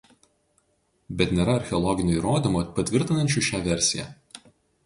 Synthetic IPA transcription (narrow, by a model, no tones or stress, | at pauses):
bʲɛt̪ʲnʲeːɾɐɐɾʲxʲɛɔlˠɔɡʲɪnʲʊiːɾoːd̪ʲimoːpɐt̪ʲʋʲɪɾʲt̪ʲɪnɐnʲt͡ʃʲuʃʲæːʋʲɛɾʲsʲɪjæ̰